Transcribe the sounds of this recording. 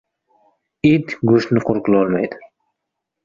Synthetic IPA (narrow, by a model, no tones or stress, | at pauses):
id̪ɡʊʃt̪nɪqʰʊɾqʊlˠɒlˠmajd̪ɪ